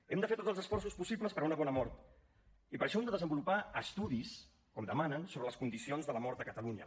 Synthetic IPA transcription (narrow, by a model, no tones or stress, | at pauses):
ɛmd̪əfeɾt̪otd͡zzəlˠzəsfɔrsuspusipləspəɾunəβɔnəmɔɾt̪ | ipəɾʃɔɛmd̪əðəzəmbulupaəst̪uðis | kɔmd̪əmanənsoβɾələskund̪isionzðələmɔɾt̪əkət̪əluɲə̰